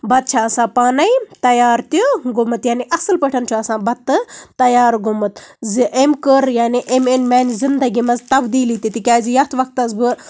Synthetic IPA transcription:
bɐt̪̚t͡ʃʰaɐsãːpaːnɐjt̪ɐjaːɾt̪ʲiɡʊmɨt̪jaːniʔɐsɨlpəʈʰɐnt͡ʃʰuɐsãːbɐt̪ːɨt̪ɐjaːɾɡumɨt̪zʔemkəɾjaːniʔemenmaːnzind̪ɐɡʲimɐzt̪ɐbd̪iːlit̪ʲit̪ʲikʲaːzijɐt̪ʰʋɐk̚t̪ɐzbɨ

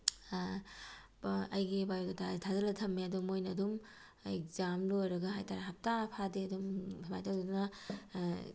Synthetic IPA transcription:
ɐjɡibajɡɐtʰatʰazɐlɐtʰɐmːeɐdumojnɐːdum | ek̚zamlojɾɐɡɐɦajtaɾaɦap̚tapʰadeɐdumiba̰jtʰawdudunɐ

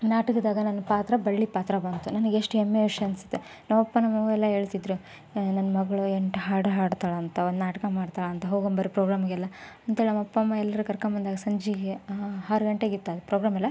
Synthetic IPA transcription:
naːʈɐkɐd̪aːɡɐnɐnːɐpaːt̪ɾɐbɐɭːipaːt̪ɾɐbɐnt̪unɐnɐɡeeʂʈuemːeʋiʂɐɐnsi̥t̪ːe | nɐʋɐpːɐnɐmːɐʋuɛlːɐɦe̞ːɭt̪id̪ɾu | nɐnːɐmɐɡɐɭueɳʈɦaːɽɦaːɽt̪aːɭɐːnt̪ɐond̪naːʈɐkɐmaːɖt̪aːɭɐːnt̪ɐɦoːɡombɐɾipɾoːɡɾaːmɡɛlːɐɐnt̪eɭinɐmɐpːɐmːɐɛlːɐɾukɐɾkɐmbɐnd̪aːɡɐsɐɲd͡ʒiɡeɦaːɾuɡɐɳʈeɡit̪ːaːd̪upɾoːɡɾaːmɐlːɐ

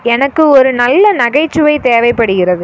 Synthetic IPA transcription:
ɛnɐkːɯɔɾɯnɐlːɐnɐɣɐɪt͡ʃːɯʋɐɪt̪eːʋɐɪpːɐɽɯɣɪɾɐðɯ

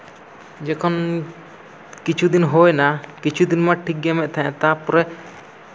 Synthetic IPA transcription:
d͡ʒɛkʰɔn | kit͡ʃʰud̪inɦojnakit͡ʃʰud̪inmaʈʰik̚ɡɛmɛʔ̚t̪ʰaʔɛ̃t̪apɔɾɛ

